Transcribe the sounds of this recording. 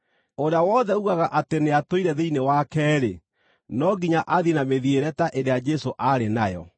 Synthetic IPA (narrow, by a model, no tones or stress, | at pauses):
oɾeawɔðɛuɣaɣaʔateneatoiɾɛðeinewakɛːɾe | nɔɡiɲaʔaðienameðieɾɛtaʔeɾead͡ʒɛsoʔaɾenajɔ̰